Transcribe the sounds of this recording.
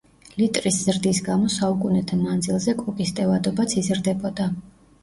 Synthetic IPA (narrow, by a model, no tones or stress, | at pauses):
lit̪ʼɾisz̥ɾd̪isɡamɔsaukʼunɛt̪ʰamand̪zilˠzɛkʼukʼist̪ʼɛvad̪ɔbat̪sʰizɾd̪ɛbɔd̪a